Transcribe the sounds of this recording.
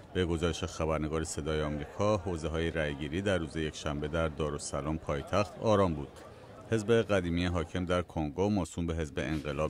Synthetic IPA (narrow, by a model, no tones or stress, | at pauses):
b̥e̞ɡo̞zɒːɾeʃexæbæɾne̞ɡɒːɾese̞d̪ɒːjeɒːmɾiːkʰɒːɦozeɦɒːjeɾæjɡiːɾiːd̪æɾːuːzeje̞cʰʃæmbe̞d̪æɾd̪ɒːɾosælɒːmpʰɒːjet̪ʰæxt̪ʰɒːɾɒːmbuːd̪̥ | he̞zbe̞ɣæd̪iːmijeɦɒːcʰe̞md̪æɾkʰoŋɡomoːsuːmbe̞ɦe̞zbe̞eŋɢe̞lɒːb